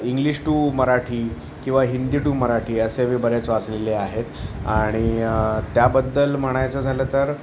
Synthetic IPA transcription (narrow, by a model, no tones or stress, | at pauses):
iŋɡliɕʈuːməɾaʈʰiː | kĩw̃ʋaɦind̪iʈuːməɾaʈʰiːəseʋiːbəɾet͡sʋat͡sleleaɦet̪aɽ̃it̪jabəd̪ːəlm̤əɽ̃ajt͡səːd͡zʱalət̪əɾ